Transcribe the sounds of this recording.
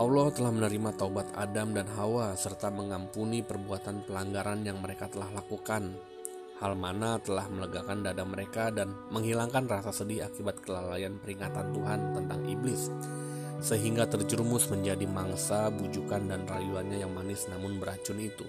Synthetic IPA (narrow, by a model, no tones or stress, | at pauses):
ʔaulɔht̪əlahmənəɾimat̪aubat̪a̰damdanɦawasərt̪aməŋampunipərbuat̪anpəlaŋɡaɾanjaŋməɾekat̪əlahlakukan | halmanat̪əlahmələɡakandadaməɾekadanməŋɦilaŋkanrasasədɪhakibat̪̚kəlalajanpəɾiŋat̪ant̪uɦant̪ənt̪aŋiblɪsː | əɦiŋɡat̪ərd͡ʒəɾmʊsməɲd͡ʒadimaŋsabud͡ʒukandanrajuanɲajaŋmanɪsnamʊnbəɾat͡ʃʊnit̪u